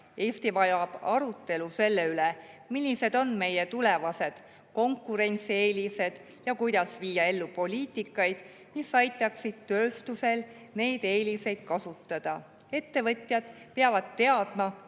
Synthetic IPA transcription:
e̞ːst̪ivɑjɑb̥ɑɾut̪ːˑe̞luse̞lːe̞yle | milʲːise̞d̪o̞nme̞je̞t̪ule̞vɑse̞d̪̥ | ko̞ŋkːˑuɾe̞nʲt̪sie̞ːlʲise̞d̪̥ | jɑkujd̪̥ɑsviːjɑe̞lːupo̞lʲiːt̪ˑikːˑɑjd̪̥ | misɑjt̪ːˑɑksid̪̥̚t̪ø̞ːst̪use̞l | ne̞ːjd̪̥e̞ːlʲise̞jd̪̥̚kɑsut̪ːˑɑd̪̥ɑ | e̞t̪ːe̞vɤt̪ʲˑjɑd̪̥peɑvɑd̪̚t̪e̞ɑd̪̥mɑ

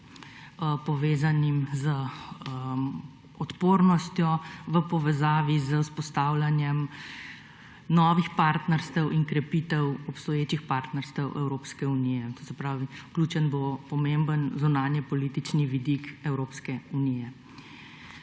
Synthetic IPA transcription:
pɔʋeːzanimzə | ɔt̪poːɾnɔst̪jɔʋəpɔʋɛzaːʋizəuspɔst̪aːwlanjɛm | nɔːʋixpaːɾt̪nɛɾst̪ɛwʔiŋkɾɛpit̪ɛwɔpst̪ɔjeːt͡ʃixpaːɾt̪nɛɾst̪əwʔɛwɾoːpskɛunijɛt̪osɛpɾaːʋiklʲuːt͡ʃənbopɔmembənzunaːnjɛpɔlit̪it͡ʃniʋid̪ikɛwɾoːpskɛuniːjɛ

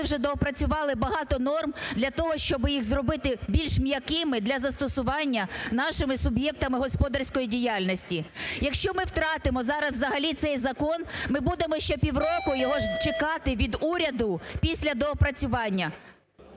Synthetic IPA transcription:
wʒɛd̪ɔɔpɾɐt͡sʲʊʋɑlˠɪbɐɦɑt̪ɔnɔrmd̪lʲɐt̪ɔɦɔʃt͡ʃɔbɪjixzrɔbɪt̪ɪbʲilʲʃmjɐkɪmɪd̪lʲɐzɐst̪ɔsʊʋɑnʲːɐnɑʃɪmɪsʊbjɛk̚t̪ɐmɪɦɔspɔd̪ɐrsʲkɔjidʲijɑlʲnɔsʲtʲijɐkʃt͡ʃɔmɪwt̪ɾɑt̪ɪmɔzɑɾɐsʋzɐɦɐlʲit̪sɛjzɐkɔnmɪbud̪emɔʃt͡ʃɔpʲiwrɔkʊjɔɦɔʒt͡ʃekɑt̪ɪʋʲid̪uɾʲɐd̪ʊpʲisʲlʲɐd̪ɔɔpɾɐt͡sʲʊʋɑnʲːɐ

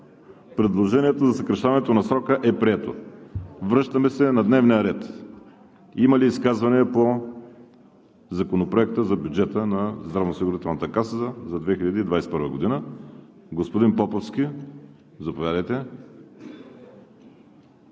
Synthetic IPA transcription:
pɾɛd̪lˠoʒɛniɛt̪ozɐsəkɾɐʃt̪avɐnɛt̪onɐsɾɔkəʔɛpɾiɛt̪o̰ | vɾɤʃt̪əmɛsɛnɐd̪nɛvnijəɾɛt̪ | iməliːskazvɐnipo | zɐkonopɾoɛkt̪əzɐbʲjud͡ʒɛt̪ənɐzd̪ɾɐvnosiɡʊɾit̪ɛlˠnət̪əkasəzəzɐd̪vɛxilʎʲɐd̪iːd̪vajsɛ̥pəɾvəɡod̪inə | ɡospod̪inpɔpofsk̟ʲi | zɐpovjad̪əjt̪ɛ

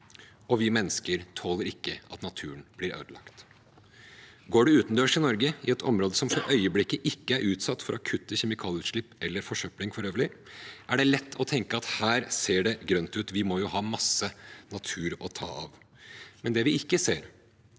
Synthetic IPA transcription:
ɔʋɪmɛnːəskəɾt̪ʰoːləɾɪkːəɑ̰t̪nɑt̪ʰʉːənb̥lɪɾø̰ːd̪əlɑ̰kt̪ | ɡoːɖɛʉːt̪nd̪øːʂɪnɔɾɡəɪɛt̪ʰɔ̰mɾoːd̪əsɔmfɔɾʔœʏəblɪkːəʔɪkːəæɾʔʉːt̪sɑt̪ːfɔɾʔɔkʰʉt̪ːəçɛmɪkʰɑːlɪʉːt̪ʂɭɪpːɛlːəɾfɔʂœplɪŋfɔɾøːʋəɭɪʔæɖɛlɛt̪ːɔt̪ʰɛŋkəɑt̪hæːɾseːɖɛɡɾœnt̪ʉːt̪ʋɪmɔjʊhɑːmɑsənɑt̪ʰʉːɾɔt̪ʰɑ̰ːɑʋ | mɛnd̪ɛʋɪɪkːəseːɾ

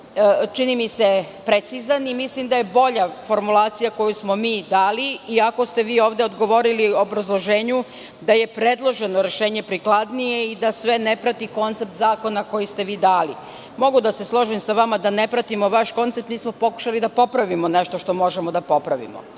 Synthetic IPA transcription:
t͡ʃinimise̞ | pɾet̪sizanimislimd̪aje̞bo̞ʎafo̞ɾmulˠaːt̪sijako̞jusmo̞miːd̪aːliiako̞st̪e̞ʋiːoːʋd̪eod̪ɡo̞ʋo̞ɾilioobɾazlˠo̞ʒeːɲu | d̪aje̞pɾed̪lˠo̞ʒe̞no̞ɾeʃeːɲe̞pɾiklˠad̪nije̞id̪asʋe̞nepɾat̪iko̞nt̪sep̚t̪zaːko̞nako̞jist̪e̞ʋiːd̪aːlḭ | mo̞ɡud̪ase̞slˠo̞ʒimsaʋamad̪anepɾat̪imo̞ʋaʃko̞nt̪sept̪niːsmopo̞ku̥ʃalid̪apo̞pɾaʋimoneʃt̪o̞ʃt̪o̞mo̞ʒemo̞d̪apo̞pɾaʋḭmo̰

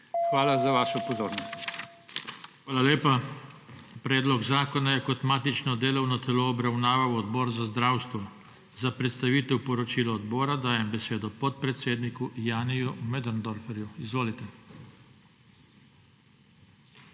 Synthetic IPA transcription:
xʋaːlazaʋaːʃɔpɔzoːɾnɔst̪ | xʋaːlaleːpa | pɾɛːd̪lɔɡzaːkɔnajɛkɔt̪maːt̪it͡ʃnɔd̪eːlɔwnɔt̪ɛloːbɾawnaːʋawɔd̪bɔːɾzazd̪ɾaːwst̪ʋɔ | zapɾɛt̪st̪aʋiːt̪ɛwpɔɾɔt͡ʃiːlɔːd̪bɔːɾad̪aːjɛmbɛseːd̪ɔpɔt̪̚pɾɛt̪seːd̪nikujaːnijumɛd̪ɛnd̪ɔɾfɛɾjuizʋoːlit̪ɛ

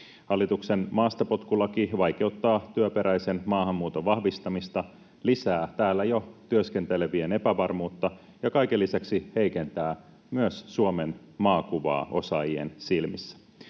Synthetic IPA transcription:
hɑlːit̪ukse̞nmɑːst̪ɑpo̞t̪kulɑkiʋɑjk̟e̞ut̪ːɑːt̪yøpe̞ɾæjse̞nmɑːhɑmːuːt̪o̞ʋɑhʋist̪ɑmist̪ɑ | lisæːt̪æːlːæjo̞t̪yøsk̟e̞nt̪e̞le̞ʋiene̞pæʋɑrmuːt̪ːɑ | jɑkɑjkelːisæksihejke̞nt̪æː | myøsːuome̞n | mɑːkuʋɑ̰ːo̞̰sɑjie̞̰nsilmisːæ̥

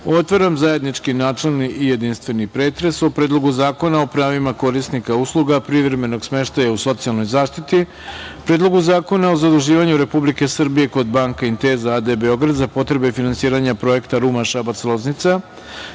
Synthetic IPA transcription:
o̞t̪ʋoɾamzaje̞d̪nit͡ʃkinaːt͡ʃe̞lˠniʔije̞d̪inst̪ʋe̞nipɾe̞ːt̪ɾe̞sopɾe̞ːd̪lˠo̞ɡuzaːko̞nao̞pɾaːʋimako̞ɾisnikauslˠuɡapɾiʋɾe̞me̞no̞ɡsme̞ʃt̪ajauso̞t̪sialˠno̞jzaːʃt̪it̪i | pɾe̞ːd̪lo̞ɡuzaːko̞nao̞zad̪uʒiːʋaɲuɾe̞publike̞sr̩bije̞ko̞d̪baːŋkaint̪e̞zaad̪e̞be̞o̞ɡɾad̪zapo̞t̪ɾe̞be̞finansiːɾaɲapɾo̞e̞kt̪aɾumaʃabat̪selo̞znit̪sa

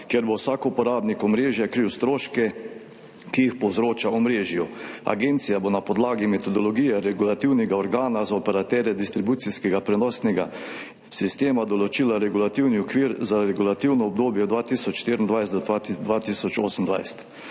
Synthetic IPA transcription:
kjɛɾbowsaːkupɔɾaːbnikɔmɾeːʒjɛkɾiwst̪ɾoːʃkɛ | kijixpɔwzɾoːt͡ʃaɔmɾeːʒjua̰ɡent̪sijabonapɔd̪laːɡimɛt̪ɔd̪ɔlɔɡiːjɛɾɛɡulat̪iwnɛɡaɔɾɡaːnazaɔpɛɾat̪ɛːɾjɛd̪ist̪ɾibut̪siskɛɡapɾɛnɔːsnɛɡa̰ | sist̪eːmad̪ɔlɔt͡ʃiːlaɾɛɡulat̪iwniɔkʋiːɾzaɾɛɡulat̪iwnɔɔbd̪oːbjɛd̪ʋaːt̪iːsɔt͡ʃʃt̪eːɾind̪ʋajst̪d̪ɔd̪ʋaːt̪isɔt͡ʃoːsən̩d̪ʋa̰jst̪

